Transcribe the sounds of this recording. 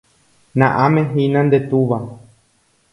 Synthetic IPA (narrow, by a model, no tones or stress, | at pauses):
nãʔãmẽɦinãnd̪et̪uʋa